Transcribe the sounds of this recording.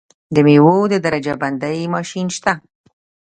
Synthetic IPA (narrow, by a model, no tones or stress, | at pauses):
d̪əmiwod̪əd̪aɾad͡ʒaband̪ajmɑʃinʃt̪a